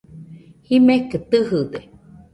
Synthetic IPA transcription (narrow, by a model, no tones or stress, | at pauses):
himeket̪ɨɦɨd̪e